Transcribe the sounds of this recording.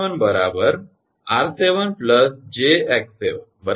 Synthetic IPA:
ənbəɾabəɾ | aɾseʋənpləsd͡ʑeɛkseʋənbəɾ

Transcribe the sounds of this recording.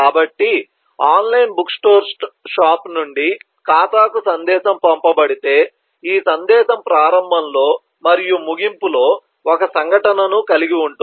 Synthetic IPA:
aːbɐʈːi | aːnlɐjnbuksʈoːɾʂaːpnuɳɖi | kaːt̪aːkusɐnd̪ɛːʃɐmpɐmpɐbɐɽit̪e̞ː | iːsɐnd̪ɛːʃɐmpɾaːɾɐmbʱɐmlo̞ː | mɐɾijumuɡimpulo̞ː | ɔkɐsɐŋɡʱɐʈɐnɐnukɐliɡiuɳʈu

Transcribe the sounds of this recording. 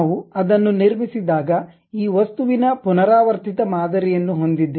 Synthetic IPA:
ʋuɐd̪ɐnːuniɾmisid̪aːɡɐ | iːʋɐst̪uʋinɐpunɐɾaːʋɐɾt̪it̪ɐmaːd̪ɐɾɛjɐnːuɦo̞nd̪id̪ːe

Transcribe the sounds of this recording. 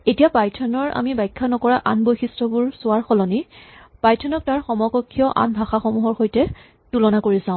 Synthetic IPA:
etijapajtʰɔnɔɹa̰mibajkʰːanɔkɔɹaʔanbojxistɹɔbuɹsʊaɹxɔlɔnipajtʰɔnɔk̚taɹxɔmɔkɔkʰːijɔʔa̰nbʱaxaxɔmuɦɔɹxojtɛ | tulɔnakoɹisãʊ̃

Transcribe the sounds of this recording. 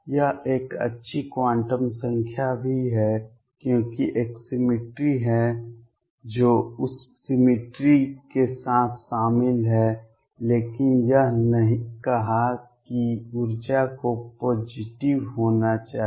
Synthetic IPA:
jɐɦeːkə̰tːʃʰikwãːɳʈəmsə̃ŋkʰjabʱiɦɛ | kjõːkiʔeːksɪmɪʈɾiɦɛ | d͡ʒoːʊsːɪmɪʈɾikesaːt̪ʰʃaːmɪlɦɛ | leːkɪnjəɦnəɦĩkɐɦakiʊɾd͡ʒakopoːd͡ʒɪʈɪʋɦoːnat͡ʃaːɦ

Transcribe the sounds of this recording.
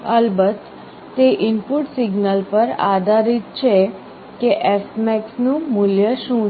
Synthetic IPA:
əlbət̪ː | eʔɪnpʊʈsɪɡnəlpəɾa̰ːd̪aːɾit̪̚t͡ʃʰe | keʔɛːsʈmɛːksnũmʊljəʃũ

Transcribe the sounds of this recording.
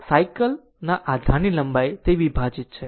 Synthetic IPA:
sajkəl | naʔad̪ʱaniləmbajt̪eʋibʱad͡ʒit̪̚t͡ʃʰe

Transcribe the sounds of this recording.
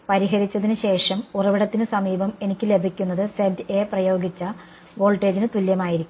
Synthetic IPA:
pɐɾiɦɐɾit͡ɕːɐðinɨɕe̞ːʂɐmurɐʋiɽɐt̪ːinɨsɐmiːbɐme̞nikʲːɨle̞bʱikʲːunːɐðɨsedeprɐjo̞ːɡit͡ɕːɐ | ʋo̞ːlʈːe̞ːd͡ʑinɨt̪uljɐmaːjiɾikʲːu

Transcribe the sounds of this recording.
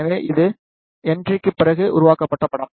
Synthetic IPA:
ɐʋeːʔɪðɯ | ɛndrɪkːɯpːɪɾɐɣɯʔʊ̰ɾʊʋaːkɐpːɐʈːɐpːɐɽɐm

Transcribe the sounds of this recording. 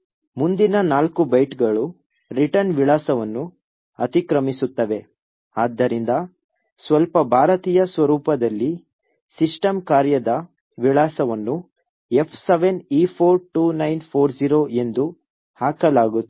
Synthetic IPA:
mund̪inɐnaːlkubɐjʈɡɐɭu | ɾiʈɐɾnʋiɭaːsɐʋɐnːu | ɐt̪ikɾɐmisut̪ːɐʋe̞ | aːd̪ːɐɾind̪ɐ | sʋɐlpɐbʱaːɾɐt̪iːjɐsʋɐɾuːpɐd̪ɐlːi | siʂʈɐmkaːɾjɐd̪ɐ | ʋiɭaːsɐʋɐnːu | e̞pʰseʋeniːpʰoːɾʈuːnɐjnpʰoːɾd͡ʒiːɾoːe̞nd̪u | haːkɐlaːɡu

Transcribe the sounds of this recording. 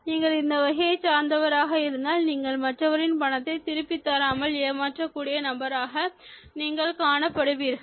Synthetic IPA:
niːŋɡɐɭɪnd̪ɐʋɐɣɐjɐɪt͡ʃaːɾnd̪ɐʋɐɾaːɣɐɪɾɯnd̪aːlniːŋɡɐɭmɐʈrɐʋɐɾɪnpɐɳɐt̪ːɐɪt̪ɪɾɯpːɪt̪ːaːɾaːmɐleːmaːʈrɐkːuːɽɪjɐnɐmbɐɾaːɣɐ | niːŋɡɐɭkaːɳɐpːɐɽɯʋiːɾ

